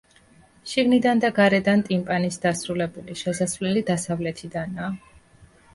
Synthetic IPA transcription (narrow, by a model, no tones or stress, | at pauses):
ʃiɡnid̪and̪aɡaɾɛd̪ant̪ʼimpʼanisd̪asɾulɛbuliʃɛsasvlɛlid̪asavlɛt̪ʰid̪anaː